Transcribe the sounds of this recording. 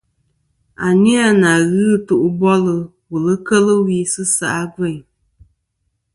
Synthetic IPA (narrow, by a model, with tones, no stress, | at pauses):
a˨ni˦a˦˨na˨ɣɨ˦tu˨ʔu˨bɔ˦lɨ˨ | wu˨lɨ˦kə˦lɨ˦wi˦sɨ˦sa̰˨ʔa˦ɡɛ˦˨ɲ